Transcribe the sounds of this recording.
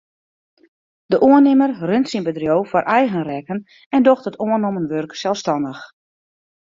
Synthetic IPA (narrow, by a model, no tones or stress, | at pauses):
dəʔoənɪmərrøntsinbədrjowfɔrʔɛjɣənrɛkən | ɛndoxtətoənomənʋørksɛlˠfstɑndəx